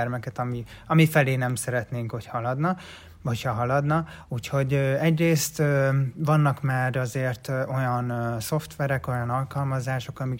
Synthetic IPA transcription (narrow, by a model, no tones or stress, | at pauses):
ɛrmɛkɛt̪ɒmi | ɒmifɛleːnɛmsɛɾɛt̪neːŋkho̞chɒlɒd̪nɒ | ochɒɦɒlɒd̪nɒ | uːcho̞ɟøɛɟreːst̪øvɒnːɒkmaːɾɒzeːrt̪o̞jɒnso̞ft̪ʋɛɾɛko̞jɒnɒlkɒlmɒzaːʃo̞kɒmi